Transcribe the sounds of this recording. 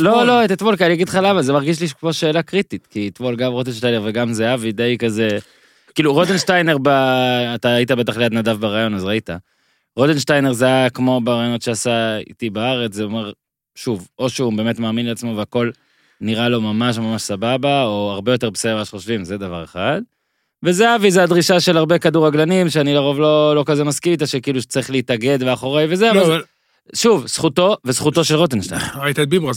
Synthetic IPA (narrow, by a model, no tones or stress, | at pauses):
lo̞lo̞et̪at̪volkialijaɡid̪χalavazemaʁɡiʃ̬liboʃe̞ːlakʁititkit̪vo̞lɡamʁodenʃtajneʁveɡamzeaved̪ejkaze̞ | kiːluʁotenʃtajne̞ʁbaːt̪aaitabe̞taχlead̪nadavbaʁajo̞nazʁaita | ʁot̪enʃtajneʁzeakmo̞beʁajonotʃeasaḭt̪ibaaʁet͡szeomeʁ | ʃuvo̞ʃeube̞ːme̞tmaːminleat͡smo̞veako̞l | niʁalo̞mamaʃ̬mamaʃsababaoaʁbe̞jo̞te̞ʁbesevaʃeχoʃvimzed̪avaʁeχad̪ | vezeavizead̪ʁiʃaʃe̞laʁbe̞kaduʁaɡlanimʃeanilaʁo̞vlo̞lo̞kazemaskit̪aʃekiiːluʃt͡saʁiχleit̪aɡe̞d̪beaχo̞ʁejvezeavval | ʃuvsχut̪o̞vesχuto̞ʃe̞lʁotenʃta̰jnḛait̪at̚bibʁa